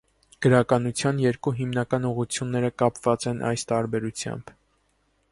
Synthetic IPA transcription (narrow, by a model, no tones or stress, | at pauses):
ɡ̥əɾɑkɑnut͡sʰjɑnjɛɾkuɦimnɑkɑnuʁut͡sʰjunːɛɾəkɑpvɑt͡sɛnʔɑ̰jst̪ɑɾbɛɾut͡sʰjɑ̰mb̥